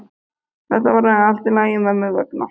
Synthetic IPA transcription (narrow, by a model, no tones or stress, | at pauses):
θɛht̪avaɾaɛalt̪ɪlaːjɪmɛðmɛɣvœ̰kna